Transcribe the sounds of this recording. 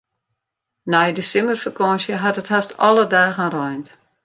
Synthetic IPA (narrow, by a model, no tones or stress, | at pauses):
nɛjdəsɪmərfəkɔnsjəɦatəthastʰɔlədaːɣənrɔjnt